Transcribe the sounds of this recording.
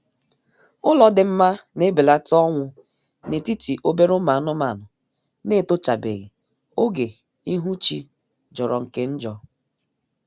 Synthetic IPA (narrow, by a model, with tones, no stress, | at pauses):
ʊ˦lɔ˨dɪ˨m̩˦ma˦ne˦bi˨la˦tɔ˦ŋʷʊ˦ | ne˨ti˦ti˨ʔo˦be˦ɾʊ˦ma˨˦nʊ˦ma˨nʊ˨ | ne˦˨tʊ˦t͡ʃa˨bḛ˨ɣḭ˨ | o˦ɡe˨ | i˦ɦu˦t͡ʃi˦ | d͡ʒɔ˨ɾɔ˨ŋ̩˨ke˦n̩˦d͡ʒɔ˦